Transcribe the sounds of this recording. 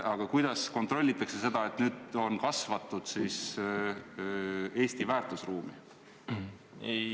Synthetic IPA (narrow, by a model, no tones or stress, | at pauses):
ɑɡ̥ɑkujd̪̥ɑsko̞nt̪ro̞lʲːit̪ːˑɑksese̞d̪̥ɑe̞t̪nyːd̪̥o̞nkɑsvɑt̪ːˑud̪̥siːs | e̞ːst̪ivæːrt̪ˑusruːmi | ej